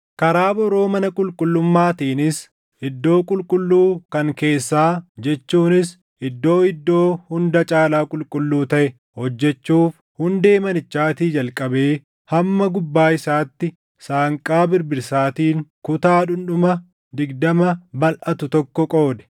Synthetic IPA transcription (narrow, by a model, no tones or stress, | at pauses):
kɐɾaːbɔɾo̞ːmɐnɐkʼʊlkʼʊlːʊmːaːt̪iːnɪs | ʔɪd̪ːo̞ːkʼʊlkʼʊlːuːkɐŋke̞ːsːaːd͡ʒɛt͡ʃːuːnɪs | ʔɪd̪ːo̞ːɪd̪ːo̞ːhʊnd̪ɐt͡ʃʼaːlaːkʼʊlkʼʊlːuːt̪ɐʔɛ | hɔd͡ʒːɛt͡ʃːuːf | hʊnd̪e̞ːmɐnɪt͡ʃːaːt̪iːd͡ʒɐlkʼɐbeː | hɐmːɐɡʊbːaːɪsaːt̪ːɪ | saːŋkʼaːbɪɾbɪɾsaːt̪iːŋkʊt̪aːᶑʊnᶑʊmɐ | d̪ɪɡd̪ɐmɐbɐlʔɐt̪ʊt̪ɔkːɔkʼo̞ːd̪ɛ̥